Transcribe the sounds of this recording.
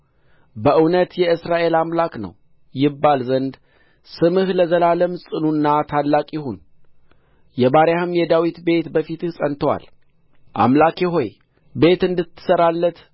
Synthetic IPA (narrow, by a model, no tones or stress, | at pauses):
bəʔɨwnət̪jɛɨsɾaʔe̞lamlaknə̰w | jɪbːalzənd̪ | sɨmɨhləzəlaləmsʼɨnunːat̪ʰalːakʼjɪhun | jɛbaɾjahɨmjɛd̪awit̪be̞t̪bəfit̪ʰɨhsʼənt̪ʰəwa̰l | ʔa̰mlakjɪɦo̞j | be̞t̪ɨnd̪ɨt̪ʰːɨ̥səɾalːət̪